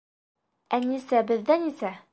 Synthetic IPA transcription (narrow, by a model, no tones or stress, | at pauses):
ænisæbɘ̆ðːænisæ